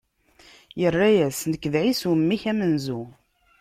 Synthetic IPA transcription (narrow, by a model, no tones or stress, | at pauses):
jərːæjæsnəkːəðʕisumːiçæmənzu